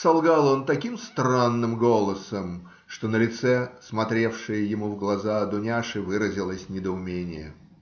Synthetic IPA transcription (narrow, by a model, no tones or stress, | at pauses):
sɐlˠɡalˠo̞nt̪ɐkʲimst̪ranːɨmɡo̞lˠəsəm | ʂt̪o̞nəlʲɪt̪sɛsmɐt̪ɾʲe̞fʂɨjəjɪmuvɡlˠɐzaɐd̪ʊnʲaʂɨvɨɾəzʲɪlˠəsʲnʲɪd̪əʊmʲenʲɪjə̰